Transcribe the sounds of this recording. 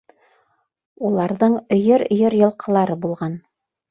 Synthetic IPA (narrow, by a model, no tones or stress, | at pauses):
ulˠɑɾðɤɴɵ̆jɵɾ̆jɤɾjɤ̆lˠqʰɤ̆lˠɑɾɤbulˠʁɑn